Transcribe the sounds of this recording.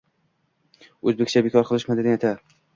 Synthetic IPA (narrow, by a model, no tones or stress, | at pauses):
ɵzbekʲt͡ʃʰabekʰɒɾqʰɨlˠɪʃmad̪ɪd̪ɪet̪ʰa